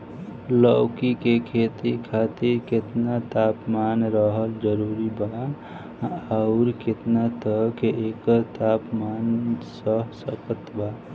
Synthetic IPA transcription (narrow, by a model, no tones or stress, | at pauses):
ləʊkikekʰet̪ikʰat̪iɾket̪nat̪apmanɾəɦəld͡ʒəɾuɾiba | aʊɾket̪nat̪əkeʔekt̪apmansəɦsəkət̪ba